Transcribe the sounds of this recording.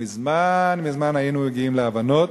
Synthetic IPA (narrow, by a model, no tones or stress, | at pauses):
izmanmizmanajinumeɡiimleavano̞t̪